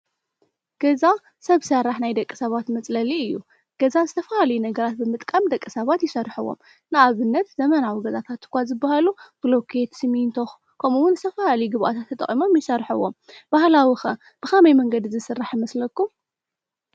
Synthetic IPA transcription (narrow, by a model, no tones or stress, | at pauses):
ɡ̥ɐza | sɐβsɐrːaħnajd̪ɐkʼːɨ̥sɐβat̪mɐt͡sʼlɐliɨjːṵ | ɡ̥ɐzazɨt̪ʰɐfɐhalɐjunɐɡɐɾat̪̚bɨmɨt̪ʼkʼamd̪ɐkʼːɨsɐβat̪jɪsɐrːħɨwo̞̰m | nɨaβɨnːɐt̪zɐmɐnawiɡɐzat̪ʰat̪ɨ̥kʷazɨbːahaluɡ̥lokʰet̪sɨmint̪ʰox | kʰɐmuwʊnzɨt̪ʰɐfalalɐjuɡɨβʔat̪ʰat̪ʰːɐt̪ʼɐ̰χʼimo̞mjɪsɐrħɨwːo̰mb̥ahlawixɐ | b̥ɨxɐmajmɐŋɡɐd̪izɨsɨrːaħjɪmɐslɐkːum